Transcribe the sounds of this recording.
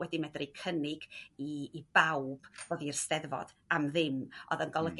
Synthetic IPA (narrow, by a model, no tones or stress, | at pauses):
wɛdimɛdrikʰənɪɡiːb̥awb̥roðirstɛðvɔ̰d̥ | amðɪmɔ̰ðənɡɔlˠəɡ